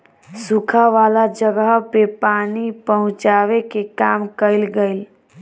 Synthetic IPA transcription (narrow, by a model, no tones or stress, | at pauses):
sukʰaʋalad͡ʒəɡəɦpepanipəɦʊ̃t͡ʃaʋekekamkəɪlɡəɪl